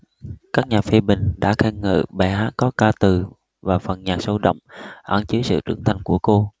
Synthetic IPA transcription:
kaː˦˥k̚ɲaː˨˩fi˧ɓï˨˩ŋ̟ɗa̰ː˧˥xɛ˧ŋɨ̰ː˧˨ɓa˧˩ɦaː˨˦˥t̚kɔ˨˦kaː˧t̪ɨ˨˩ | vaː˨˩fə˨˩nɲaː˨˩sə˧wɗə̰˧˨wŋ͡mʔa˧˩nt͡ɕɨ˨˦jsɨ̰˧˨t͡ɕɨ̰˧˩əŋt̪ʰa˧jŋ̟ku˧˩əko˧

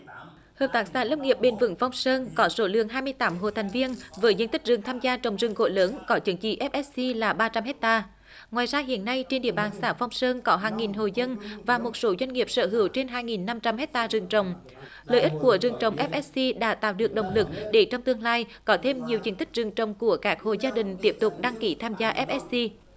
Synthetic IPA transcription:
həː˨˩p̚t̪aː˨˦˥k̚saː˧˩lə˧wŋ͡mŋi˨˩əp̚ɓe˧˩nvɨ̰˧˥ŋfa˧wŋ͡msəː˧nkɔ˨˦so˧˦lɨ̰˧˨əŋɦaː˧jmɨ˧əjt̪aː˨˦mɦo̰˧˨t̪ʰɛ˨˩ŋ̟vi˧ənvəː˨˦jzə˧nt̪ï˦˥k̟̚zɨ˨˩ŋt̪ʰaː˧mzaː˧t͡ɕə˨˩wŋ͡mzɨ˨˩əŋko̰˧˩ləː˨˦nkɔ˨˦t͡ɕɨ˨˦ŋt͡ɕḭ˧˨ʔɛ˦˥p̚ʔɛ˦˥ssi˧laː˨˩ɓaː˧t͡ɕa˧mhɦɛ˦˥k̚t̪aː˧ | ŋwaː˨˩jzaː˧ɦḭ˧˨ənːa˧jt͡ɕe˧nɗḭ˧˨əɓaː˨˩nsaː˧˩fa˧wŋ͡msəː˧nkɔ˨˦ɦaː˨˩ŋːi˨˩nɦo˨˩zə˧nvaː˨˩mo˨˩t̚so˨˦zwa˧ŋ̟ŋi˨˩əp̚sə̰ː˧˩ɦɨ̰˧˩əwt͡ɕe˧nɦaː˧jŋi˨˩nːa˧mt͡ɕa˧mɦɛ˦˥k̚t̪aː˧zɨ˨˩ŋt͡ɕə˨˩wŋ͡m | ləː˨jʔi˦˥t̚ku˧˩əzɨ˨˩ŋt͡ɕə˨wŋ͡mʔɛ˦˥p̚ʔɛ˦˥s̚si˧ɗa̰ː˧˥t̪a̰ː˧˨wɗɨ˨˩ək̚ɗə̰˨˩wŋ͡mlɨ˨˩k̚ɗe˧˩t͡ɕɔ˧wŋ͡mt̪ɨ˧əŋlaː˧jkɔ˨˦t̪ʰe˧mɲi˨˩əwzi˧nt̪ï˦˥k̟̚zɨ˨˩əŋt͡ɕə̰˨˩wŋ͡mku˧˩əkaː˦˥k̚ho̰˧˨zaː˧ɗï˨˩ŋ̟t̪i˦˥əp̚t̪ʊ˨˩k͡p̚ɗa˧ŋki˨˦t̪ʰaː˧mzaː˧ʔɛ˦˥p̚ʔɛ˦˥s̚si˧

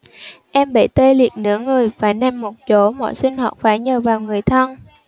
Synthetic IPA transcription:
ʔɛ˧mɓə̰˧˩˨jt̪e˧lḭ˨˩ət̚nɨ̰˧˥əŋɨ˨˩əjvaː˨˩nɛ˧mːo˨˩t̚t͡ɕo˨˦mɔ̰˧˨jsï˧ŋ̟hɔː˨˩t̚faː˨˦jɲəː˨˩vaː˨˩wŋɨ˨˩əjt̪ʰə˧n

